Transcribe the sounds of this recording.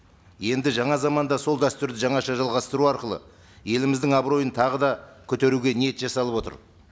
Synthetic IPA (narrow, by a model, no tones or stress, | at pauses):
je̞nd̪ɪʒɑɴɑzɑmɑnd̪ɑso̞lˠd̪æst̪ʏɾd̪ɪʒɑɴɑʃɑʒɑlˠʁɑst̪əɾuɑɾqəlˠə̰ | je̞lɪmɪzd̪ɪŋɑbɾo̞jənt̪ʰɑʁəd̪ɑkʲʰɵt̪e̞ɾuɡʲe̞nije̞t̪ʒɑsɑlˠəpwo̞t̪ə̰ɾ